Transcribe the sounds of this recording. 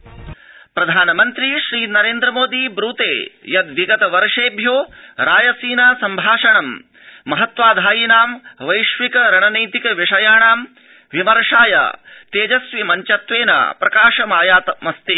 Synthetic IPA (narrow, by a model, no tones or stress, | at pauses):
pɾɐd̪ʱaːnɐmɐnt̪ɾiʃɾiːnɐɾeːnd̪ɾɐmoːd̪ibɾuːt̪ḛːjɐd̪ʋiɡɐt̪ɐʋɐɾɐʂeːbʱjoːɾaːjɐsiːnɐsɐmbʱaːʂɐɳɐmː | ɐɦɐt̪ʋaːd̪ʱaːjinaːmʋɐjʃʋikɐɾɐɳɐnɐjt̪ikɐʋiʂɐjaːɳaːm | ʋimɐɾɐʂaːjɐ̰t̪eːd͡ʒɐsʋimɐɲt͡ʃɐt̪ʋeːnɐ̰pɾɐkaːʂɐmaːjaːt̪ɐmɐst̪i